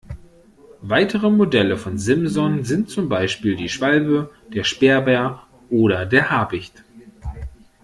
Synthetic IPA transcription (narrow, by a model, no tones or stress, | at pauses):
vaɪtʰəʁəmodɛləfɔnzɪmzɔnzɪntt͡sʊmbaɪʃpiːldiːʃv̥albəd̥eːɐʃpeːɐbɛɐ | ʔoːɾɐdeːɐhaːbɪçt